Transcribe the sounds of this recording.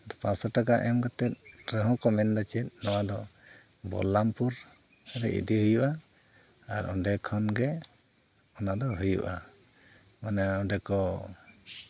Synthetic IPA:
d̪ɔpãsɔʈakaʔɛmɡɔt̪ɛt̪̚ɾəɦɔ̃kɔmɛnd̪at͡ʃɛt̪̚ˀnɔwad̪ɔ | bɔ̰lampuɾ | ɾɛ̰ḭd̪iɦujuʔa | aɾɔ̰̃ɖɛkʰɔnɡɛ | ɔnad̪ɔɦujṵʔa | manaɔɖɛkɔ

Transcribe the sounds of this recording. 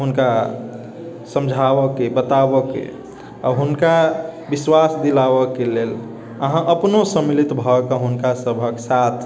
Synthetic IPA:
ɦunka | sə̃md͡ʒʱawəkebət̪abəkḛ | ɔɦunkabiswasd̪ilabəkelel | əɦãʔəpnosəmilit̪bʱɔkəɦunkasəbʱəksat̪ʰ

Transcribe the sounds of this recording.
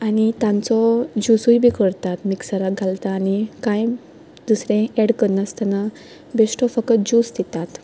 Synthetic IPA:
aɽ̃it̪ãnt͡sɔd͡ʑusujbʱikəɾt̪at̪miksaɾaɡʱalt̪aːnikãj | d̪usɾẽɛɽkəɾnast̪ana | besʈɔfəkət̪̚d͡ʑusd̪et̪at̪

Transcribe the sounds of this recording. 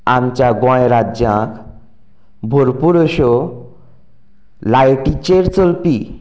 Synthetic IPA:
ant͡ɕaɡɔ̃eɾadd͡ʑãk | bʱoɾpuɾoʃo | lajʈit͡ɕeɾt͡ɕolpi

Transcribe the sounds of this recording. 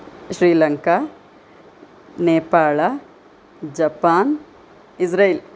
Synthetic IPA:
ʃɾiːlɐŋka | neːpaːɭɐ | d͡ʒɐpaːn | id͡ʒɾɐil

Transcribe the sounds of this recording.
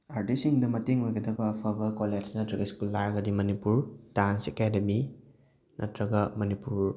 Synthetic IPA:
aɾdisiŋdɐmɐteŋojɡɐdɐbɐːpʰɐbɐkoled͡ʒnɐtɾɐɡɐiskulːaɾɐɡɐdimɐnipuɾdansekademi | nɐtɾɐɡɐmɐnipuɾ

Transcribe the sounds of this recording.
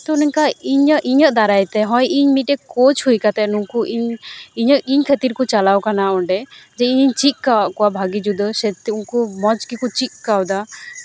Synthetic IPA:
t̪ɔnɛɲkaiɲəʔʔiɲəʔd̪aɾajt̪ɛɦɔ̃jiɲmit̪̚ɛkot͡ʃʰhujkat̪ɛnuŋkuʔiɲiɲəʔiɲkʰət̪iɾkɔt͡ʃalawkanaɔɳɖɛd͡ʒɛiɲiɲt͡ʃit̚kawaʔkɔwabʱaɡid͡ʒud̪ɔsɛt̪unkumɔd͡ʒkikɔt͡ʃik̪̚kawd̪a

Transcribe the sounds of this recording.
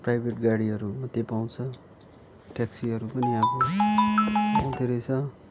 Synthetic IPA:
pɾajbʱeʈɡaɽiɦʌɾumʌt̪ːepaw̃t͡sʰʌ | ʈeksiɦʌɾupʌniɦãko | paw̃t̪eɾet͡sʰʌ

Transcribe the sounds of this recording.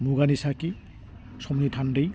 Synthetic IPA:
muɡanisaki | sɔmnitʰandej

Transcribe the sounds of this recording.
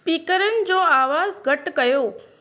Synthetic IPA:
piːkəɾənɪ̆d͡ʑoaːʋazɡʱəʈkəjoː

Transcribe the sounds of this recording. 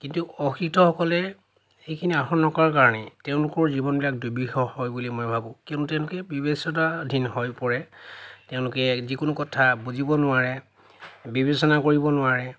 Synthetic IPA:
kintuɔxɹiktɔxɔkɔlɛ | xejkʰiniaxɔnːɔkaɹkaɹɔnɛteʊ̃lʊkɔɹzibɔnbilak̚dobixɔhɔjbulimojbʱabʊ̃kõntʊtɛ̃ʊ̃lʊkɛbibesɔtadʱinhɔjpɔɹɛteʊ̃lʊkɛzikʊnʊkɔtʰabuzibɔnʊaɹɛ | bibesɔnakoɹibɔnʊaɹɛ

